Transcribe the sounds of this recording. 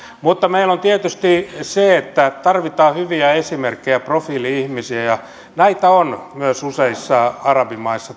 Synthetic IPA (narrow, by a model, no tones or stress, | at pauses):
mut̪ːɑmeilont̪iet̪yst̪iseet̪ːæt̪ɑrʋit̪ɑːhyʋiæesimerkːejæprofiːliihmisiæjɑ | næit̪æonmyøsuseisːɑɑrɑbimɑisːɑ